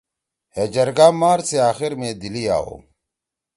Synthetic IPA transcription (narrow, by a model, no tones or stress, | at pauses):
heːd͡ʑɐɾɡaːmaːɾseaːxiɾmẽd̪ilia̰ːo̰ː